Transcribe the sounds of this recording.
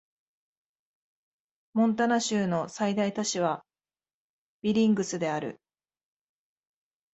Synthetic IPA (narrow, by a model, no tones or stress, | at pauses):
mõ̞nt̪̬anaɕɨːno̞said̪ait̪at͡ɕiβ̞a | b̥ʲiɾʲĩŋɡɯ̟sɨd̪e̞aɾɯ̟̰